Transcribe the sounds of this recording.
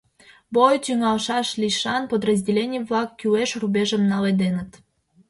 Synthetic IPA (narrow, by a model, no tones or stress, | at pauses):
bojt̪yŋɑlʃɑʃlʲiʃɑnpod̪rəzʲdʲelʲenʲijəβlɑkːyweʃrubʲeʒəmnɑled̪enət̪